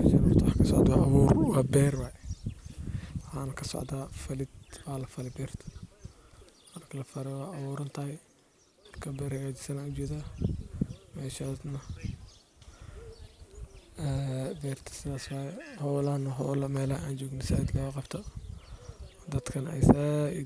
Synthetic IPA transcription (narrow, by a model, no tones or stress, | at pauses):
mɛʃanʊt̪ʰwɑħːkʰɐsɔ̰ʕd̪wɑːʔɐβurwɑːbɛːrwɑːjɛ | wɑħɑːnɐkʰɐsɔ̰ʕd̪aːfɐlɪd̪waːlɐfɐlɛbɛːrt̪ʰɔ̥ | mɐrkʰɐlɐfɐɾɛwɑːʔɐβuːɾɐnt̪ʰɐhɛj | mɐrkʰɐbɛːrhɐɣaːt͡ʃɪ̥sɐnaːʊd͡ʒɛːða | mɛːʃaːsnɐ | ɛbɛːrt̪ʰɐ̥sɪðaːswɑːjɛhɔːlɐnɐɦɔːlɐmɛːlɐʔaːnt͡ʃɔːɡnɪsad̪lɛɣɐqɑbt̪ʰɔ | d̪ɐd̪kʰɐnɛ̰jsa